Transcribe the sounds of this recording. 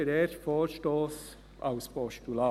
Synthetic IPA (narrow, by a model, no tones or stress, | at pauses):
əɾɛɾfoːɾʃtoːs | ʔa̰ʊspɔʃtulaː